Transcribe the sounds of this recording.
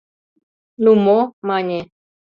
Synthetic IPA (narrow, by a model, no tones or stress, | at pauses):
numomaɲe